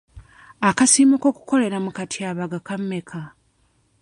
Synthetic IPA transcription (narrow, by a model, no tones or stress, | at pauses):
akasiːmuko̞ːku̥ko̞le̞ɾamukatʰiaːβaɡakamːe̞kʰa